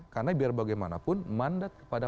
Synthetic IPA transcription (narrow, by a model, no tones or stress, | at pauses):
karnabiarbaɡajmanapʊnmandat̪̚kə̥pada